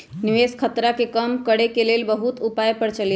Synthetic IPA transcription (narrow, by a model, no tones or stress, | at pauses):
niʋeskʰət̪ɾakekəmkəɽekelelbəɦut̪upajpəɾt͡ʃəlj